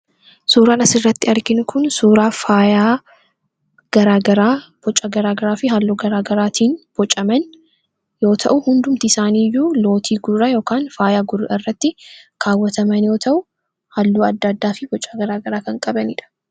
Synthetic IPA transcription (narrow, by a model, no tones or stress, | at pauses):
suːɾaːnɐsɪrːɐt̪ːɪɐɾɡɪnʊkʰʊnsuːɾaːfaːjaː | ɡ̥ɐɾaːɡɐɾaːb̥ɔt͡ʃʼaɡɐɾaːɡɐɾaːfɪɦalːuːɡɐɾaːɡɐɾaːt̪ʰiːnb̥ɔt͡ʃʼːɐmɐn | jo̞ːt̪ʰɐ̰ʔʊhʊnd̪ʊmt̪ɪɪsaːniːjuːlo̞ːt̪ʰiːɡʊrːɐjo̞ːkaːnfaːjaːɡʊrʔɐrːɐt̪ːɪkʰaːwːɐt̪ɐmɐnjo̞ːt̪ʰɐʔʊ | hɐlːuːɐd̪ːaːd̪ːaːfɪbɔt͡ʃʼːaːɡɐɾaːɡɐɾaːkɐŋkʼɐbɐnɪ̰ːᶑ̪ɐ̥